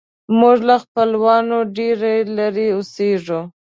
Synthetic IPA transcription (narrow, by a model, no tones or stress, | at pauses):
muʐlaxpəlwɑnoɖeɾelaɾiʊseʐu